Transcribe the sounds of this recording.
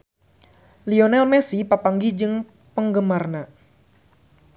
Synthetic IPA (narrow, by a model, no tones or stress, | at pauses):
liɔnɛlmɛsipapaŋɡid͡ʒɨŋ | pəŋɡəmarna